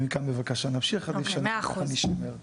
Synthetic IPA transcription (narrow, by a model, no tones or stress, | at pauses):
mikanbevakaʃanamʃiχadifʃanaχaniʃomeʁ